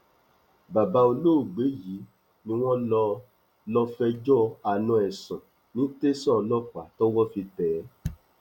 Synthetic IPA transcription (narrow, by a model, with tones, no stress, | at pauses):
ba˨ba˧o˧lo˦o˨ɡ͡be˨˦ji˨˦ | nĩ˧w̃ɔ̃˦lɔ˧ | lɔ˧fɛ˧d͡ʒɔ˦a˨nɔ̃˧ɛ˨sɔ̃˨ | nĩ˨˦te˦sɔ̃˦˨˧lɔ˦k͡pa˨tɔ˦wɔ˦fi˧tɛ˨˦